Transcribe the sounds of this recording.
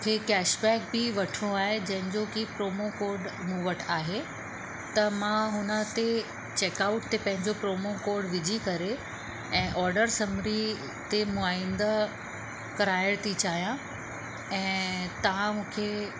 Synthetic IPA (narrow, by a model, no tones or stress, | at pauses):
kʰekɛːʃbɛːk̚bɪʋɐʈʰiɽ̃oaːɦed͡ʑɐ̃ɦɪ̃ɲd͡ʑokipɾoːmokoːɾɖmũʋəʈʰaːɦe | t̪ɐmãɦʊnə̆t̪e | t͡ɕeːkaʊʈ̚t̪epɐ̃ɦɪ̃ɲd͡ʑopɾoːmokoːɾɖʋɪd͡ʑʱikɐɾe | ɛ̃ːʔɔːɾɖəɾsɐmɾi | t̪emʊaːĩnd̪a | kɐɾaːɪɽ̃t̪ʰit͡ɕaːɦijã | ɛ̃ːt̪ɐʋ̤ãmũːkʰe